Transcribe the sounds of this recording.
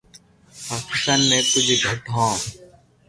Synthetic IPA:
paːkɪ̥st̪aːnmẽːt̪ʊd͡ʒʱɡʱəʈɦõː

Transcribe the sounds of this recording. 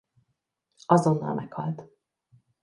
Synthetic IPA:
ɒzo̞nːɒ̰lmʔɛkhɒ̰lt̪

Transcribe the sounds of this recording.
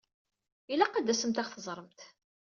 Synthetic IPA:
ilæqad̪ːæsəmt̪æχθəzˤɾˤəmt̪

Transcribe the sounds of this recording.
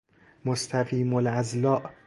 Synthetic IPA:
most̪ʰæfiːmolæzlɒːʔ

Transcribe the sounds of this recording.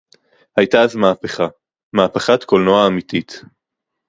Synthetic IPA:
hajt̪aazmaːpeχa | maːpeχat̪kolnoaːmit̪it̪

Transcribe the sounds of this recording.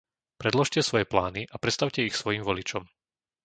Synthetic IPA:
pɾɛd̪lɔʃcɛsʋɔjɛplaːniʔapɾɛt̪st̪aʊcɛixsʋɔjiːmʋɔlit͡ʃɔm

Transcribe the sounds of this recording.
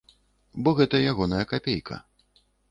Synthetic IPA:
bɔɣɛt̪ɐjaɣɔnɐjɐkapʲejkʰɐ̰

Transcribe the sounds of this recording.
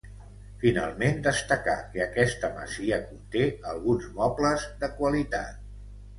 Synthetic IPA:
fina̰lˠmend̪əst̪əka̰kəəkɛst̪əmə̰ziəkunt̪eəlˠɣunzmɔpləzðəkwəlit̪at̪̚

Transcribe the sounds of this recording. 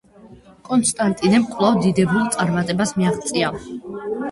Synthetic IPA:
kʼɔnst̪ʼant̪ʼinɛmkʼlˠavd̪id̪ɛbɾulˠt̪sʼaɾmat̪ʼɛbasmiaχt̪sʼia

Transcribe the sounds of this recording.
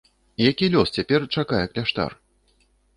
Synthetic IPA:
ijakʲilʲɔst͡sʲapʲɛrt͡ʂakajɛklʲaʂt̪a̰r

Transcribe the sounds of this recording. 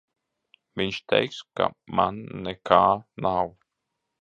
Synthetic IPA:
mɪnʃt̪ʰɛ̰jkska̰manːɛkʰaːnaw

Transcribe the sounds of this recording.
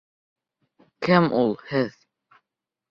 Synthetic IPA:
kɘmʔulˠhɘð

